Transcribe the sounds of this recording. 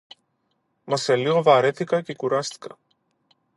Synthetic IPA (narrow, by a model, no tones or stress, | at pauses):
mɐseliovaːɾet̪ikacikuɾast̪i̥kɐ̰